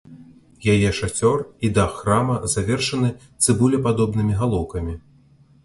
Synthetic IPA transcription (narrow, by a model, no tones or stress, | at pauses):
jajɛʂat͡sʲɔrid̪axːramɐzavʲɛrʂɐnɨt̪sɨbulʲɛpad̪ɔbnɨmʲiɣalˠɔwkɐmʲi